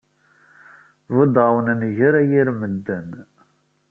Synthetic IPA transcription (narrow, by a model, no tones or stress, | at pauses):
vəd̪əwənnʝəɾæjiɾməd̪ːæn